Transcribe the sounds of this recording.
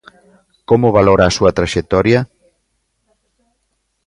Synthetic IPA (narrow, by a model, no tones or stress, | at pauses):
komʊβaloɾaːsuɐt̪ɾaʃek̚t̪ɔɾjɐ